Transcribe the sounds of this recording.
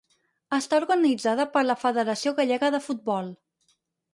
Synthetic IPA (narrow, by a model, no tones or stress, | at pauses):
əst̪auɾɣənid͡zaðəpəɾləfəðəɾəsioɣəʎɛɣəðəfut̪̚bɔlˠ